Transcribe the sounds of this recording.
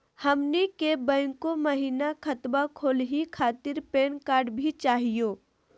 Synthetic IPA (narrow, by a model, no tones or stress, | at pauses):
hɐmnikebɛ̃ːŋkoməɦiːnakʰɐt̪bakʰoːlɦikʰaːt̪ɪɾpeːnkaːɾɖbʱit͡ʃaːɦijoː